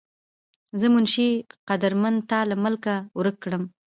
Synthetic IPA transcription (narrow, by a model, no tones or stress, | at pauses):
zəmʊnʃiqad̪əɾmant̪ɑlaməlkawɾəkːɽəm